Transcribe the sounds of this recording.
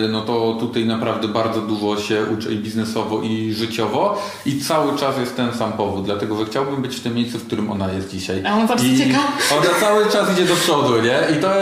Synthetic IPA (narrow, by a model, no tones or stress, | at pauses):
nɔt̪ɔt̪ut̪ajnapɾavd̪ɛbaɾd̪zɔd̪uʐɔɕɛʔut͡ʂɛ̰ibʲiznɛsɔvɔʔiʐɘt͡ɕɔvɔ | it̪sawɘt͡ʂasjɛst̪ːɛnsampɔvud̪̚d̪lat̪ɛɡɔʐɛxt͡ɕawbɘmbɘt͡ɕft̪ɘmʲːjejssufkt̪uɾɘmʔɔ̰najɛst̪̚d͡ʑiɕajaɔnzafit͡ɕɛkavɔnat̪sawɘt͡ʂasid͡ʑɛd̪ɔpʂɔd̪uɲɛʔit̪ɔ